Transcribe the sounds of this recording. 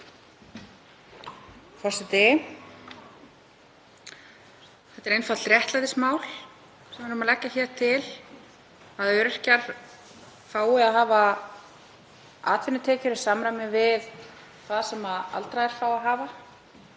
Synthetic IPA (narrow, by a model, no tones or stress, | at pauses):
fɔrsɛt̪ɪ | θɛht̪ɛɾejnfat̪ɾjɛht̪laðɪsmaːwl | sɛmɾʏmaðlɛkːaçɛɾ̥t̪ʰɪl | aðœɾʏr̥caɾ̥ | faːwɪaðɦaːva | a̰ːt̪ʰfɪnʏt̪ʰɛːcʏɾɪ̥samɾajmɪvɪð | θaðsɛmaða̰lt̪ɾaðɛɾ̥faːwaðɦaːva